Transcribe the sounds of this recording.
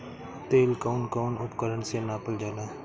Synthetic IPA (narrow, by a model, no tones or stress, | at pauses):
t̪eːlkaʊnkoːnʊpkəɾəɳseːnaːpəld͡ʒaːlaː